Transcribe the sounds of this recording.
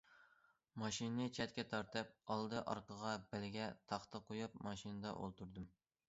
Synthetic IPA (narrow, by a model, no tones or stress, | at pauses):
mɑʃinnɨt͡ʃʰɛt̪̚kʲɛt̪ʰɑɾt̪ɨp̚ɑlˠd̪ɨʔɑ̰ɾqəʁɑbælɡʲɛt̪ʰɑχt̪ɑqʰojup̚mɑʃinɨd̪ɑ̰ʔo̰lˠt̪ʰuɾd̪ɨm